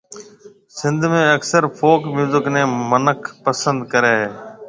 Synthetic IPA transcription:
sɪ̃nd̪ʱmẽːəksəɾpʰoːkmjuːzəknẽːmənəkʰpəsə̃nd̪kəɾeːɦeː

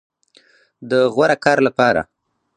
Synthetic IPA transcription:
d̪əɣwaɾakɑɾlapɑɾa̰

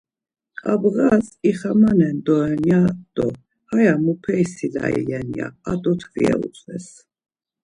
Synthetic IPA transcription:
qʼabʁasiχamanɛnd̪ɔɛnjad̪̥ɔ | hajamupʰɛisila̰ḭlɛnija̰ːd̪ʼɔt̪ʰvḭɛ̰ṵt͡sʼvɛs

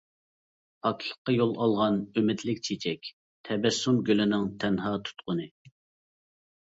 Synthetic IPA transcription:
pʰɑkʰlˠə̥qːɑjolˠɑlˠʁɑnømɪd̪lɪk̚ʲt͡ʃʰet͡ʃʰɛkʲ | t̪ʰɛbɛsːumɡʲølɪnɪŋt̪ʰɛnɦɑːt̪ʰu̥t̪qʊnɨ

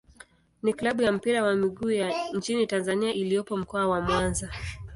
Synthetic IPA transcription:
niklaɓujam̩piɾawamiɠuːjant͡ʃinitanzaniaʔilijɔpɔm̩kɔawamwanza

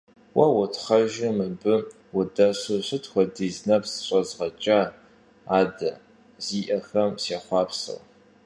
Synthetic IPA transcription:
wɐwʊtχɐʒɪmɨbɨ | wʊdɐɕoɕɨtʰxʷɔdiːznɐpʰsɨ̥ɕʷʼɐzʁɐt͡ʃʼaː | aːdɐ | ziːʔɐxɐmseːχʷɑːpʰsɨ̰w

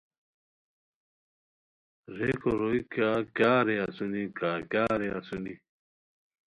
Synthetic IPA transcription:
ɾekoɾoikaːkjaːɾeasunikaːkjaːɾeasuni

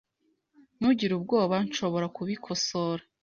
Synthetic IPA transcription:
n̥uɟiɾubɡo̞ːβanʃo̞βo̞ɾakuβikʰo̞soɾa

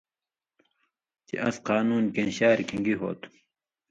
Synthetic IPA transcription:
t͡ɕḛʔɐsqɑːnuːnkẽnɕaːɾikʰiŋɡiɦo̰ːt̪ʰu̥

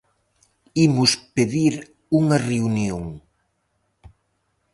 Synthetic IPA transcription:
imʊspeðiɾ | uŋɐreunjoŋ

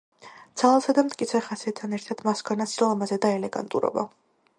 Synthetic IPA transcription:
d̪z̥alˠasad̪amt̪ʰʼkʼit̪sʰɛχasiɛt̪t̪ʰanɛɾt̪ʰad̪̥maskʰanaslˠamazɛd̪aɛlɛɡa̰nt̪ʼṵɾɔ̰ba̰

